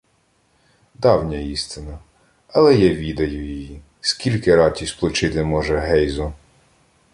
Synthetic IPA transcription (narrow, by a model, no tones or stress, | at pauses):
d̪ɑwnʲɐist̪ɪnɐ | ɐlˠɛjɛʋʲid̪ɐjʊjɔjji | skʲilʲkɪɾɑtʲisʲplˠʊt͡ʃɪt̪ɪmɔʒɛɦɛjzɔ